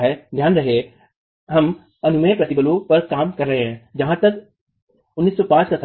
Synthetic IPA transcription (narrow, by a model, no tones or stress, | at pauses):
ɦɛd̪ʱjaːnɾɐɦe | ɦɐm | ɐnumẽːpɾɐt̪ibəlupɐɾkaːmkɐɾːəɦeɦẽd͡ʑɐɦãt̪ɐk | ʊnːiːsːɔpãːt͡ʃkʰãs